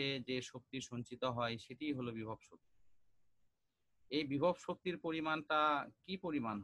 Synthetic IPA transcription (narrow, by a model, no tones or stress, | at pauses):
ed͡ʑeʃok̚t̪iʃoɲt͡ɕit̪oɦɔeʃeʈijɦolobibʱobʃok̚t̪i | ejbibʱobʃok̚t̪iɾpoɾimanʈakipoɾimanɦ